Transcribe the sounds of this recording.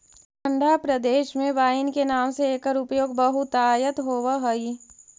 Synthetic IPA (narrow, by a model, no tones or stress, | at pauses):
ə̃ɳɖʱapɾɐd̪eːʃmẽʋaːjɪnkenaːmseeːkəɾʊpjoːɡ̚bəɦut̪aːjət̪ɦoːʋaɦoi